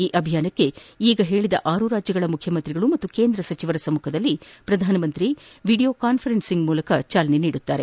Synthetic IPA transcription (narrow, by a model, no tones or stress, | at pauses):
iːʔɐbʱijaːnɐkːe̞iːɡɐɦe̞ːɭid̪ɐʔaːɾuɾaːd͡ʒjɐɡɐɭɐmukʰjɐmɐnt̪ɾiɡɐɭumɐt̪ːuke̞ːnd̪ɾɐsɐt͡ʃiʋɐɾɐsɐmukʰɐd̪ɐlːipɾɐd̪ʱaːnɐmɐnt̪ɾiʋiːɽijo̞ːkaːnpʰɐɾensiŋɡmuːlɐkɐt͡ʃaːlɐneniːɽut̪ːaːɾe̞